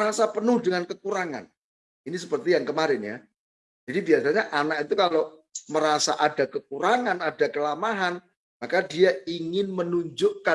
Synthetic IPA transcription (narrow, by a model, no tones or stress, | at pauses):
ɾasapənʊhdəŋankəkuɾaŋa̰n | inis̬əpərt̪ijaŋkəmaɾɪnja̰ | d͡ʒ̥adibiasaɲaʔanak̚it̪ukaloməɾasa̰ʔadakək̚uɾaŋanadakəlamaɦan | makadiaiŋɪnmənuɲd͡ʒʊʔka